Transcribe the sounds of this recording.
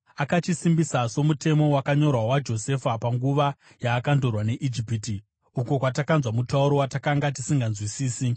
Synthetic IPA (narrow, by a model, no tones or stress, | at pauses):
akat͡ʃisimbisaso̞mute̞mo̞wakaɲo̞rwawad͡ʒo̞se̞fapaŋɡuʋa | jaːkando̞rwane̞ʔid͡ʒipiti | uko̞kwatakanzwamutauɾo̞watakaŋɡatisiŋɡanzwisiːsi